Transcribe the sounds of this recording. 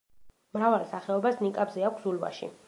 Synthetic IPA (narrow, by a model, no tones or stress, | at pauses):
mɾavalˠsaχɛɔbasnikʼabzɛakʷʰszulva̰ʃḭ